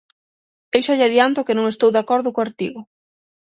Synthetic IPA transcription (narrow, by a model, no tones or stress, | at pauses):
ewʃaʎaðiant̪ʊkɪnõŋest̪owðakɔɾðʊkʊaɾt̪iɣʊ